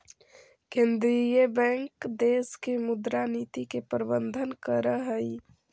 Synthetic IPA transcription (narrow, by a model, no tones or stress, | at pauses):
kẽnd̪ɾijəbɛ̃ŋkd̪eːskemʊd̪ɾaniːt̪ikepəɾbənd̪ʱənkəɾəɦəi